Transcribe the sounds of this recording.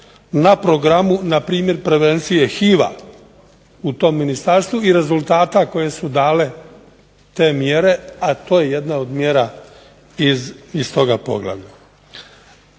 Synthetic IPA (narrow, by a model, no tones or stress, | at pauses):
napɾo̞ɡɾamunapɾiːmje̞ɾpɾe̞ʋe̞nt̪sije̞xiːʋa̰ | ut̪o̞mːinist̪aɾst̪ʋuiɾe̞zulˠt̪aːt̪ako̞je̞sud̪aːle̞ | t̪e̞ːmje̞ɾe̞at̪o̞ːje̞je̞d̪nao̞d̪mje̞ːɾa | izist̪o̞ɡapo̞̰ɡla̰ʋʎa